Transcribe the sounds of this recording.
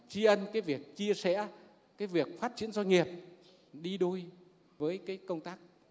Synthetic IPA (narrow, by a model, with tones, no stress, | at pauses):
t͡ɕi˧ʔə˧nkaː˨˦jvi˨˩ək̚t͡ɕi˧əsɛ̰˧˥ | kaː˨˦jvi˨˩ək̚faː˦˥t̚t͡ɕḭ˧˥ənzɔ˧jŋi˨˩əp̚ | ɗi˧ɗo˧j | vəː˨˦jkaː˨˦jkə˧wŋ͡mt̪aː˦˥k̚